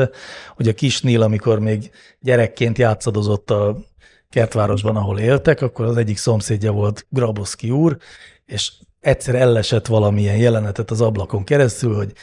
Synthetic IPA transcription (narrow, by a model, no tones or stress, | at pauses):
ɛho̞ɟɒkiʃniːlɒmiko̞rmeːɡ | ɟɛɾɛkːeːnt̪jaːt̪sɒd̪o̞zo̞t̪ːɒ | kɛrt̪ʋaːɾo̞ʒbɒnɒɦo̞leːlt̪ɛkɒkːo̞ɾɒzɛɟːikso̞mseːɟːɒvo̞lt̪ɡrɒboskiuːr | eːʃ | ɛtsɛɾɛlːɛʃɛt̪ʋɒlɒmiɛnjɛlɛnɛt̪ɛt̪ɒzɒblɒko̞ŋkɛɾɛst̪ylho̞ɟ